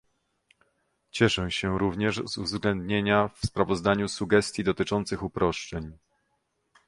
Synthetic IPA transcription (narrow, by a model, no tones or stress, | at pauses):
t͡ɕɛʂɛ̃ɕɛɾuvɲɛʐzuvzɡlɛnd̪ɲeɲafspɾavɔzd̪aɲusuɡɛst̪ʲjid̪ɔt̪ɘt͡ʂɔnt̪sɘxupɾɔʂt͡ʂɛɲ